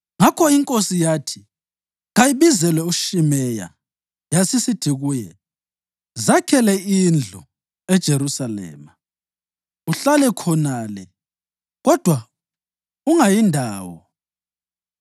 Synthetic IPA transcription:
ŋakʰɔiŋkʼosijaːtʰi̥ | ɣajiβizɛlɛuʃimɛja̰ | jasisid̥ʱiɣuːjɛ̰ | zakʰɛlɛind͡ɮʱu | ɛd̥ʒ̥ʱeɾusalɛ̰ːma | uɬalɛkʰɔnalɛ | ɣɔd̥ʱwa | uŋajindʱaːwɔ̰

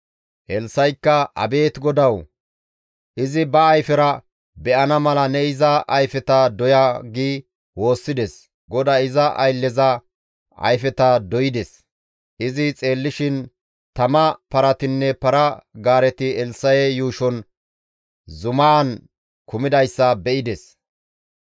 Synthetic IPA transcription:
ʔɛlsːɐjkːɐʔɐ̰be̞ːt̪ɡɔd̪ɐw | ʔɪzɪbɐːjfɛɾɐ | bɛʔɐnɐmɐlɐnɛɪzɐʔɐjfɛt̪ɐd̪ɔjaɡiː | wo̞ːsːɪd̪ɛs | ɡɔd̪aɪzɐʔɐ̰jlːɛzɐ | ɐ̰jfɛt̪ɐd̪ɔjɪd̪ɛs | ʔɪzɪt͡sʼe̞ːlːɪʃɪn | t̪ɐmɐpɐɾɐt̪ɪnːɛpɐɾɐɡaːɾɛt̪ɪɛlsɐjɛjuːʃɔn | zʊmɐːn | kʊmɪd̪ɐjsːɐbɛɪd̪ɛs

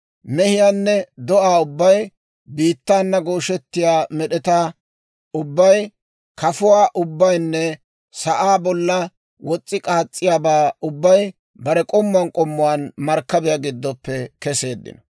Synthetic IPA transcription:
mɛhɪjaːnːɛd̪ɔʔaːʊbːɐj | biːt̪ːaːnːɐɡoːʃɛt̪ːɪjaːmɛɗɛt̪a | ʊbːɐj | kɐfʊwaːʔʊbːɐjnːɛ | sɐʔaːbɔlːɐ | wɔt͡sʼːɪkʼaːt͡sʼːɪjaːbaːʊbːɐj | bɐɾɛkʼɔmːʊɐnkʼɔmːʊwaːnmɐɾkːɐbɪjaɡɪd̪ːɔpːɛkɛse̞ːd̪ːɪ̰nɔ

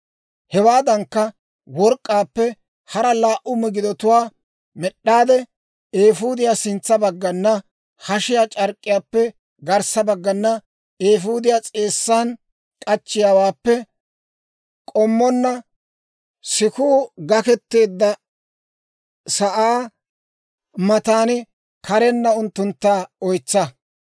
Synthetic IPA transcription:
hɛwaːd̪ɐŋkːɐ | wɔɾkʼːaːpːɛ | hɐɾɐlaːʔʊmɛɡɪd̪ɔt̪ʊwaː | mɛɗːaːd̪ɛ | eːfuːd̪ɪjaːsɪnt͡sːɐbɐɡːɐnːɐ | hɐʃɪjaːt͡ʃʼɐɾkʼːɪjaːpːɛ | ɡɐɾsɐbɐɡːɐnːɐ | eːfuːd̪ɪjaːt͡sʼe̞ːsːaːn | kʼɐt͡ʃːɪjaːwaːpːɛ | kʼɔmːɔnːɐ | sɪkuːɡɐkɛt̪ːe̞ːd̪ːɐ | sɐʔaː | mɐt̪aːnɪ | kʰɐɾɛnːɐʊnt̪ːʊnt̪ːaːɔjt͡sːɐ

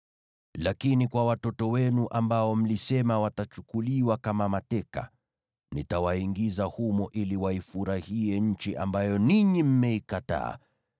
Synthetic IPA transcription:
lakinikwawatɔtɔwɛnuʔambaɔm̩lisɛmawatat͡ʃukuliwakamamatɛka̰ | nitawaiŋɡizahumɔʔiliwaifuɾahiɛɲ̩t͡ʃiʔa̰mbajɔniɲim̩mɛikata̰ː

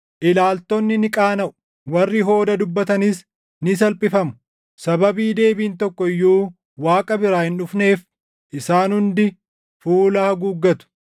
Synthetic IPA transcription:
ʔɪlaːlt̪ɔnːɪnɪkʼaːnɐʔʊ̥ | wɐrːɪɦo̞ːd̪ɐd̪ʊbːɐt̪ɐniːs | nɪs̬ɐlpʼɪfɐmʊ | sɐbɐbiːd̪e̞ːbiːnt̪ɔkːɔɪjːuː | waːkʼɐbɪɾaːhɪnʊfne̞ːf | ʔɪsaːnhʊnd̪ɪ | fuːlaːhɐɡuːɡːɐt̪ʊ̥

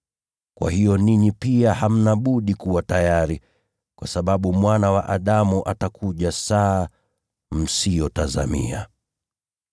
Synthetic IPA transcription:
kwʔa̰hijɔniɲipiaham̩naɓuɗikuwatajaɾi | kwasaɓaɓumwanawa̰ʔaɗamuʔatakuʄasaː | m̩sijɔtaza̰mḭa̰

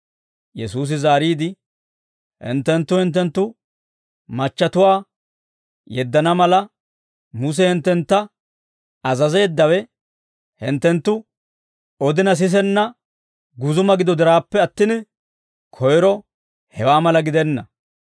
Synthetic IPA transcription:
jɛsuːs̬ɪzaːɾiːd̪ɪ | hɪ̰nt̪ːɛnt̪ːʊhɪnt̪̬ːɛnt̪ːʊ | mɐt͡ʃːɐt̪ʊwaː | jɛd̪ːɐnɐmɐlɐ | mʊs̬ɛhɪnt̪ːɛnt̪ːɐ | ɐzɐze̞ːd̪ːɐwɛ | hɪnt̪ːɛnt̪ːʊ | ɔd̪ɪnɐs̬ɪs̬ɛnːɐ | ɡʊzʊmɐɡɪd̪ɔd̪ɪɾaːpːɛɐt̪ːɪn | kʰɔjɾɔ | hɛwaːmɐlɐɡɪd̪ɛnːɐ

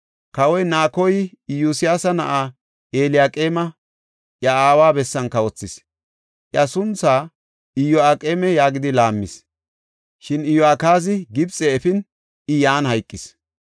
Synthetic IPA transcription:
kɐwɔjnaːkɔjɪjusɪjaːsɐnɐ̰ʔaː | ʔeːlɪjaːkʼeːmɐ | ʔjɐaːwaːbɛsːɐnkɐwɔt͡sːɪs | ʔjɐsʊnt͡saː | ɪjɔaːkʼeːmɛjaːɡɪd̪ɪlaːmːɪs | ʃɪnɪjɔaːkaːzɪɡɪbt͡sʼɛːfɪn | ɪjaːnhɐjkʼːɪs

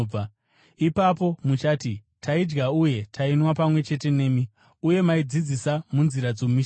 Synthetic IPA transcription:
a | ipapo̞mut͡ʃaːti | tʰaid͡ʒɡauje̞tʰainwapamwe̞t͡ʃe̞te̞ne̞ːmi | uje̞maid͡zid͡zisamunziɾad͡zomiʃ

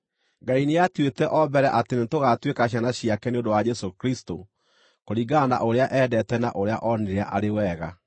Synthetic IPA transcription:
ɡaineatwetɛʔɔbɛɾɛʔatenetoɣatwekaɕ̬janaɕiakɛneondowad͡ʒɛsokɾisto | koɾiɡana̰ʔoɾeaʔɛːdɛtɛnaʔoɾea̰ʔɔneɾeaʔaɾewɛːɣa

